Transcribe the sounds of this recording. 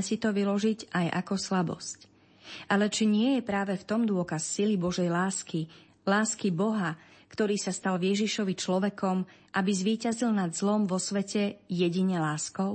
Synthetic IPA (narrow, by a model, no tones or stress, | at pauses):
sit̪ɔʋilɔʒiɟajʔa̰kɔslabɔ̰sc | ʔalɛt͡ʃiɲɪɛjɛpɾaːʋɛft̪ɔmd̪ʊɔkasːilibɔʒɛjlaːski | laːskibɔɦakt̪ɔɾiːsast̪alʋjɛʒiʃɔʋit͡ʃlɔʋɛkɔm | ʔabizʋiːcazilnad̪zlɔmʋɔsʋɛcɛjɛɟiɲɛlaːskɔʊ